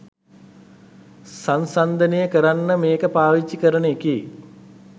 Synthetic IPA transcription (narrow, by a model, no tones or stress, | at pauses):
sansand̪ənejəkəɾanːəmeːkəpaːʋit͡ʃːikəɾənəekej